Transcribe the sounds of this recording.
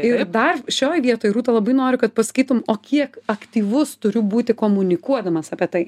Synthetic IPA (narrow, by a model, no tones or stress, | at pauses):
ɪrd̪ɐrʃʲoːjʋʲiɛt̪oːjɾuːt̪ɐlˠɐbɐɪnoːɾʲʊkɐt̪̚pɐsɐ̥kʲiːt̪ʊmoːkʲiɛkɐkt̪ʲiːʋʊst̪ʊɾʲʊbuːt̪ʲɪkoːmʊnʲɪkuɔd̪ɐmɐsɑːpʲiɛt̪ɐɪ